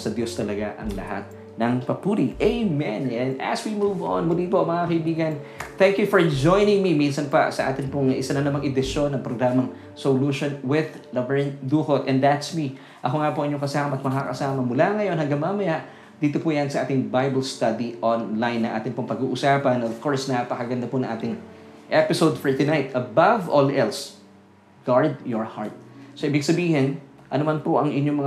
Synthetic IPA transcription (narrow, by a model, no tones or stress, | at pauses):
sɐd̪jost̪ɐlɐɡaʔɐ̰ŋlɐ̰ha̰t̪̚ | nɐŋpɐpuːɾiʔejmɛnɛ̃nd̪ʔɐ̰swimuːvõ̰nmʊlipoɐŋmɐŋakɐibiːɡɐnt̪ɛŋkjʊfoɹd͡ʒo̞jnɪŋmiminsɐnpɐ̰sɐ̰ʔa̰ːt̪ɪnpoŋɐʔɪsɐnɐnɐmaŋʔɛd̪ɪʃo̞nːɐŋpɾoɡɾaːmɐŋ | soluʃonwɪð | lɐbɛɹnd̪uːkot̪ʔɛ̃nd̪ɐt̪smi | ʔɐko̞ŋapoʔiɲːoŋkɐsaːmɐɐt̪̚mɐkakɐ̰saːmɐmʊlaŋɐjo̞nhɐŋɡɐŋmamɐjaʔ | d̪iːt̪opuːjɐnsɐʔaːt̪ɪŋbajbɐlst̪ɐd̪iʔonlajnːɐŋʔa̰ːt̪ɪnpoŋpɐɡuːʔʊsaːpɐnʔov̥koɹsnɐʔpɐkɐɡɐnd̪ɐponɐ̃ŋʔaːt̪ɪŋʔɛpɪsowd̪fɔɹt̪ʊnajt̪ʔɐbavolʔɛls | ɡ̥aɹd̪jɔɹhaɹt̪̚soʔibɪɡsɐbiːhɪn | ʔɐnomanpoʔɐŋʔɪɲːomɐŋ